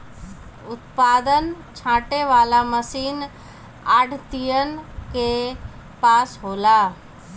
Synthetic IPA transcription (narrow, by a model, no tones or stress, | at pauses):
ʊt̪pad̪ən | t͡ʃʰãːʈeʋalaməsiːn | aːɖʱt̪ijənke | paːsɦola